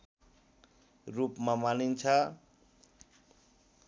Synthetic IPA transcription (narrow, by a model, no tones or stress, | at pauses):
rupmamanint͡sʰʌ